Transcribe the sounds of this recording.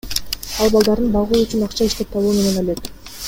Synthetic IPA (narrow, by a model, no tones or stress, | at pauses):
ɑlˠbɑlˠd̪ɑɾd̪ɯnbɑlˠʁuːyt͡ʃynɑqt͡ʃʰɑiʃt̪e̞p̚t̪ʰɑlˠuːme̞ne̞nolø̞t̪